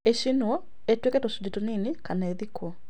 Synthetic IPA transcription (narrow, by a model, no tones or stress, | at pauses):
eʃinwo | etweketosuditoninikanaeðiko